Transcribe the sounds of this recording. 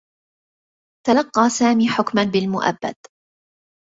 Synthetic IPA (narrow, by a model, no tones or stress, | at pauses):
t̪alɑqːɑːsaːmiːħʊkmanbɪlmʊʔa̰bːa̰d̪